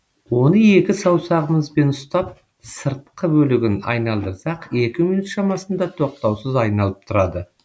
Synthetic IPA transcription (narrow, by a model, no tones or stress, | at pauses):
wo̞nəe̞kʲɪsɑwsɑʁəməzbe̞nʊst̪ɑp̚ | səɾt̪qəbɵlɪɡʲɪnɑ̰jnɑlˠd̪əɾsɑqe̞kʲɪminut̪ʃɑmɑsənd̪ɑt̪ʰo̞q̚t̪ɑwsəzɑjnɑlˠəp̚t̪ʰʊɾɑd̪ə